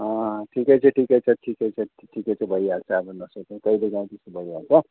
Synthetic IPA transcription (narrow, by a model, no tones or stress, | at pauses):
ʌʈʰikʌjt͡sʰʌʈʰikʌjt͡sʰʌʈʰikʌjt͡sʰʌ | ʈʰikʌjt͡sʰʌbʱʌjalt͡sʰʌːbʌnʌsʌt̪ẽk̪ʌileɡãũt̪isubʱʌialt͡sʰʌ